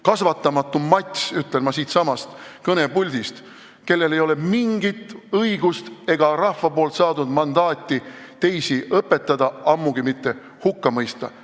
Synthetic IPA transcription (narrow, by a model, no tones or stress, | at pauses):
kɑsvɑt̪ːˑɑmɑt̪ːˑumɑt̪ʲsyt̪ˑːe̞lmɑsiːt̪sɑmɑst̪kɤne̞pulʲd̪̥ʲist̪ | ke̞lːe̞le̞jo̞le̞miŋɡit̪ˑːɤiɡ̥ust̪e̞ɡɑɾɑhvɑpo̞ːlt̪sɑːd̪ud̪̥mɑnd̪ɑːt̪ʲːˑi | t̪e̞jsiʔɤpːˑe̞t̪ˑːɑd̪̥ɑɑmːuɡ̥imit̪ːe̞ | hukːɑmɤjst̪ɑ̰